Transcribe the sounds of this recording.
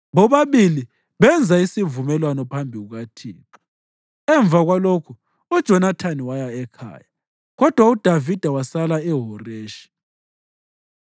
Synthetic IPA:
βɔβaβili | βɛnd͡zʱaisivumɛlwanɔpʰambʱiɣuɣatʰiːna | ɛɱb̪vʱaɣwalokʰu | ud̥ʒ̥ʱɔnatʰaniwajaɛkʰa̰ːja | ɣɔd̥ʱwaud̥ʱavid̥ʱawasalaɛɦɔreːʃi̥

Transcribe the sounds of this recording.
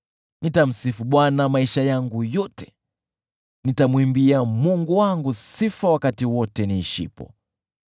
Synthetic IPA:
nitam̩sifuɓwanamaiʃajaŋɡujɔtɛ̥ | nitamwimbiamuŋɡuwaŋɡusifawakatiwɔtɛniʃḭpɔ̰

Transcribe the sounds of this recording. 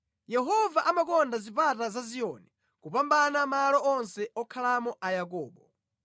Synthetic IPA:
jɛɦɔvaʔamakɔndazipatazaziɔni | kupambanamalɔʔɔnsɛɔkʰalamɔʔajak̬ɔːɓɔ

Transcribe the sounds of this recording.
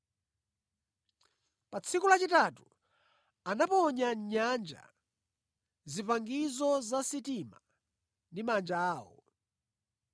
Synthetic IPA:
pat͡sʰikulat͡ʃitatu | anapɔɲaɲand͡ʒa̰ | zipaŋɡizɔzasitima | ndimand͡ʒaːwɔ̰

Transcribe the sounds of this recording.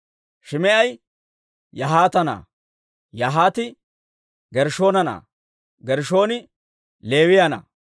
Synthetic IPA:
ʃɪmɛʔɐj | jɐɦaːt̪ɐna̰ː | jɐɦaːt̪ɪ | ɡɛɾʃo̞ːnɐna̰ː | ɡɛɾʃo̞ːnɪ | le̞ːwɪjɐna̰ː

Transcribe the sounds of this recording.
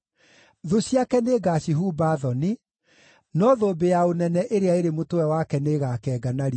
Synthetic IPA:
ðoɕiakɛneːɡaɕiɦuːbaðɔni | nɔðoːbejaonɛnɛʔeɾeaeɾemotowɛwakɛneːɣaːkɛːɡanaɾi

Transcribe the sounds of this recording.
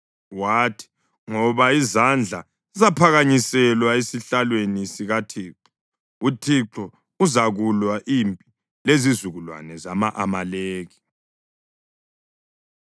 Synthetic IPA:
waːtʰi̥ | ŋɔβaizand͡ɮʱa̰ | izapʰaɣaɲisɛlwaesiɬalwenisiɣatʰiːǁɔ | utʰiǁɔ | uzaɣulwaʔiːmpʼi | lezizuɣulwa̰nɛzamaʔamaleːɣi

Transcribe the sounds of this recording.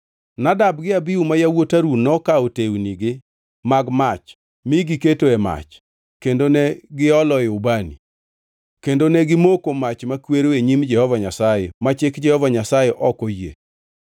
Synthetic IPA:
nadab̚ɡɪabiumajawotaɾunɔkaotewniɡɪ | maɡmat͡ʃ | miɡɪketoɛma̰t͡ʃ | kendonɛɡɪɔlɔɪʊbanḭ | kendonɛɡɪmokomat͡ʃmakweɾoeɲimd͡ʒɛhɔvaɲasajemat͡ʃɪkd͡ʒɛhɔvaɲasajɛʔɔkojḛ

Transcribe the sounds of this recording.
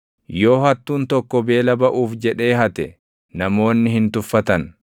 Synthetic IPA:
jo̞ːhɐt̪ːuːnt̪ɔkːɔbe̞ːlɐbɐʔuːfd͡ʒɛᶑe̞ːhɐt̪ɛ | nɐmo̞ːnːɪhɪnt̪ʊfːɐt̪ɐn

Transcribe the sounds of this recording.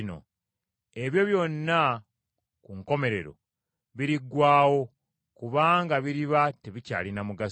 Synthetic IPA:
no̞̰ | e̞βjo̞βjo̞nːa | kuŋko̞me̞ɾe̞ɾo̞̰ | βiɾiɡːwaːwo̞ | kuβaːŋɡaβiɾiβateβica̰ːlinamuɡa

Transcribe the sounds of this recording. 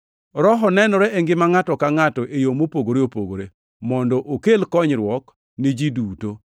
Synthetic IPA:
ɾɔɦɔnɛnɔɾɛʔeŋɡɪmaŋatɔkaŋatɔʔejomopoɡoɾeopoɡo̰ɾe | mɔndɔʔokelkɔɲɾwɔk | nid͡ʒiduto

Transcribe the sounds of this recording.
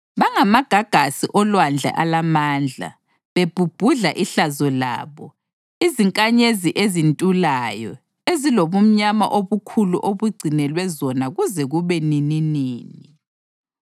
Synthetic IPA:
βaŋamaɡ̥ʱaɡ̥ʱasiʔɔlwand͡ɮʱa̰ʔalamaːnd͡ɮʱa̰ | βeb̥ʱub̥ʱuɮaʔiɬazɔla̰ːβɔ | iziŋkʼaɲeziʔezintʼulaːjɔ̰ | eziloβum̩ɲama̰ʔoβukʰuluʔoβuɡ͡ǀʱinɛlwɛzɔnaɣuzɛɣuβɛnininiːni

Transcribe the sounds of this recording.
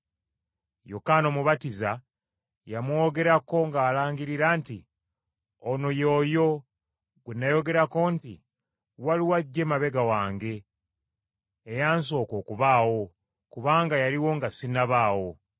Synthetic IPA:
jokano̞muβatiza | jamwo̞ɡe̞ɾako̞ŋɡaːlaːɲɡiɾiɾanti | ono̞jo̞ːjo̞ | ɡenːajo̞ɡe̞ɾako̞nti | waliwaɟːe̞maβe̞ɡawaːŋɡe̞ | jaːnso̞ːko̞ːkuβaːwo̞ | kuβaːŋɡajaliwo̞ŋɡasinaβaːwo̞

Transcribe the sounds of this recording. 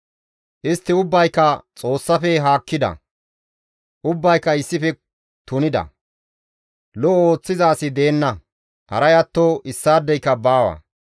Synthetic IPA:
ʔɪst̪ːɪʊbːɐjkːɐt͡sʼo̞ːsːɐfɛɦaːkːɪd̪ɐ̰ | ʔʊbːɐjkːɐɪsːɪfɛ | t̪ʊnɪd̪ɐ̰ | lɔoːt͡sːɪzaːsɪd̪e̞ːnːɐ | hɐ̰ɾɐjɐt̪ːoːʔɪsːaːd̪ːɛjkːɐbaːwɐ̰

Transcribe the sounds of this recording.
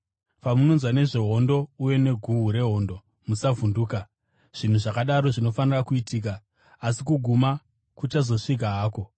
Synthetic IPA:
pamuno̞nzwane̞ʐe̞ɦo̞ndo̞uje̞ne̞ɡʱuɦuɾe̞ɦo̞ndo̞ | musavunduːka | ʐ̥in̤uʐakaɗaɾo̞ʐino̞fanirakuitʰiːk̬aː | sikuɡʱuma | kut͡ʃazo̞ʂik̬aɦaːko̞

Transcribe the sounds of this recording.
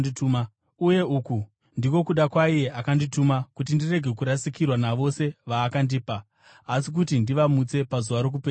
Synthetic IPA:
ituma | uje̞uku | ndiko̞kuɗakwaije̞ʔakanditumakut̬indire̞ɡʱe̞kuɾasikirwanaʋo̞se̞ʋaːkandiːpaː | sik̬utindiʋamut͡se̞pazuʋaɾo̞k̬upeːa

